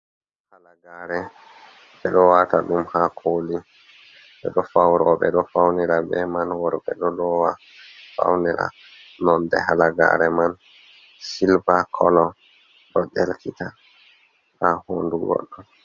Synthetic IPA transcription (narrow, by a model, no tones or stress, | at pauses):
halaɡaɾɛ | ɓɛɗɔwataɗumhakʰoli | ɓɛɗɔfawɾɔɓɛ̰ɗɔfawniɾabɛmanwɔɾɓɛ̰ɗɔlɔwa | fa̰wnɛɾa̰ | nɔndɛ̰halaɡa̰ɾɛman | silbakʰɔlɔ | ɗɔd͡ʒɛlkita | hahoːnduɡɔ̰ɗːɔ